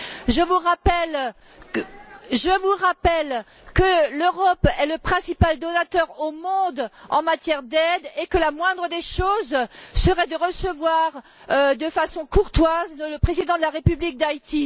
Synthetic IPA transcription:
ʒəvuʁapɛl | ʒəvuʁapɛl | kəløʁɔpɛləpχɛ̃sipald̪ɔnat̪œʁomɔ̃d̪ɑ̰̃mat̪jɛʁd̪ɛd̪ekəlamwɛ̃d̪ʁəd̪eʃozsəʁɛd̪əʁəsəvwaʁ | ød̪əfasɔ̃kuʁt̪wazlələpχezid̪ɑ̃d̪əlaʁepyblik̚d̪ajt̪i

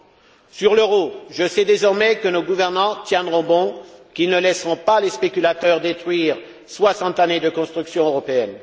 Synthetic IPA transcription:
syʁløʁoʒəsɛd̪ezɔʁmɛkənoɡuvɛʁnɑ̃t̪jɛ̃d̪ʁɔ̃bɔ̃kilnəlɛsʁɔ̃palespekʲylat̪œʁd̪et̪χɥiʁ | swasɑ̃t̪aned̪əkɔ̃st̪χyksjɔ̃øʁɔpeɛn

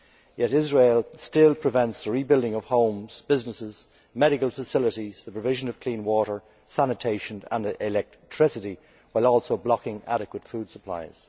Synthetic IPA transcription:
jɛɾɪzɹeɪlˠstɪlˠpʰɹ̥ɨvɛ̃ntsðəɹibɪlˠdɪ̃ŋʌv̥hõʊ̃mz̥bɪznəsɪz̥ | mɛɾɪkəlˠfəsɪləɾizðəpɹ̥əvɪʒə̃nʌv̥kʰl̥ĩnwɔɾə˞ | sænɨtʰeɪʃə̃nə̰̃nɪlɛk̚tʰɹ̥ɪsəɾi | waɪlˠɔlˠsoʊblɑkɪ̃ŋa̰ɾɨkwətfud̥səpʰl̥a̰ɪz̥

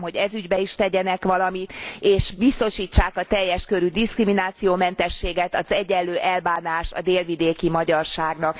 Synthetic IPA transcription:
mɦo̞ɟɛzyɟbɛiʃt̪ɛɟɛnɛkʋɒlɒmit̪eːʃbist̪o̞ʃiːt͡ʃːaːkɒt̪ɛjːɛʃkø̞ɾyd̪iskriminaːt̪sijoːmɛnt̪ɛʃːeːɡɛt̪ɒzɛɟːɛlːøːʔɛlbaːnaːʃt̪ɒ̰d̪eːlvid̪eːkimɒɟɒrʃaːɡnɒk

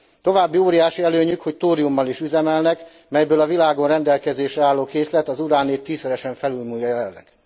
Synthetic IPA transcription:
t̪o̞vaːbːioːɾijaːʃiɛløːɲykho̞ct̪oːɾiumːɒliʃyzɛmɛlnɛk | mɛjbøːlɒvilaːɡo̞nrɛnd̪ɛlkɛzeːʃɛaːlːoːkeːslɛt̪ɒzuɾaːneːt̪ːiːsøɾɛʃɛɱfɛlylmuːjːɒjɛlɛlːɛ̰ɡ̥

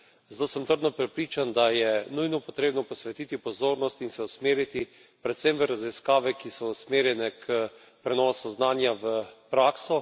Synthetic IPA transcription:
zat̪oːsɛmt̪əɾd̪nɔpɾɛpɾiːt͡ʃand̪ajɛnujnɔpɔt̪ɾeːbnɔpɔsʋɛt̪iːt̪ipɔzoːɾnɔst̪insɛusmeːɾit̪i | pɾɛt̪sɛmʋəɾaziskaːʋɛkisɔusmeːɾjɛnɛkʰə | pɾɛnɔːsuznaːnjaʋəpɾaːksɔ

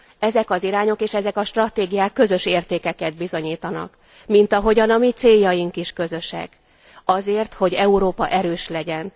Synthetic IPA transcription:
ɛzɛkɒziɾaːɲo̞keːʃɛzɛkɒʃt̪rɒt̪eːɡijaːkːø̞zø̞ʃeːrt̪eːkɛkɛd̪̚bizo̞ɲiːt̪ɒnɒ̰k | mint̪ɒɦo̞ɟɒnɒmit̪seːjːɒjiŋkiʃkø̞zø̞ʃɛ̰k | ɒzeːrt̪ho̞ɟɛuɾoːpɒʔɛɾøːʃlɛɟɛn

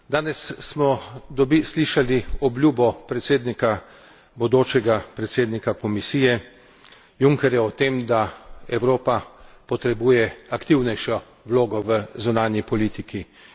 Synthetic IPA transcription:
d̪aːnɛsːmɔd̪ɔbisliʃaliɔblʲjuːbɔpɾɛt̪seːd̪nika | bɔd̪oːt͡ʃɛɡapɾɛt̪seːd̪nikakɔmisiːjɛ | juŋkɛɾjɛɔt̪emd̪aɛwɾoːpapɔt̪ɾɛbuːjɛakt̪iwnɛjʃɔ | wloːɡɔʋəzunaːnjipɔlit̪ikʰi

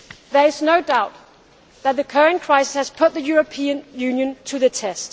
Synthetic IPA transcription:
ðə˞ɪznoʊdaʊt̪̚ | ðət̪̚ðɨkʰɜɹɨ̃nkʰɹ̥aɪsɪ̥shɨz̥pʰʊt̪̚ðɨjʊɹɨpʰĩɨ̃njʉ̃njɨ̃ntʰɨðɨtʰɛst

